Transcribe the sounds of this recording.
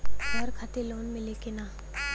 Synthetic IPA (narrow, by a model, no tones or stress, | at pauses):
ɡʱəɾkʰaːt̪eloːnmɪlekenaː